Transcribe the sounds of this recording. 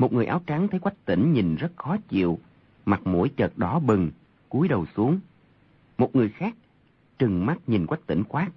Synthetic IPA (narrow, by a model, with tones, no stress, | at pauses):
mo˨˩t̚ŋɨ˨˩əjʔaː˨˦wt͡ɕa˨˦ŋt̪ʰə˨˦jkwa˦˥jk̟̚t̪ḭ̈˧˩ŋ̟ɲi˨˩nzə˦˥t̚xɔ˨˦t͡ɕḭ˧˨əw | ma˨˩t̚mo̰˧˥jt͡ɕəː˨˩t̚ɗɔ˨˦ɓɨ˨˩ŋ | ku˨˦əjɗə˨˩wsu˨˦əŋ | mo˨˩t̚ŋɨ˨˩əjxaː˦˥k̚ | t͡ɕɨ˨˩ŋma˦˥t̚ɲi˨˩nkwa˦˥jk̚t̪ḭ˧˩ŋ̟xwaː˦˥t̚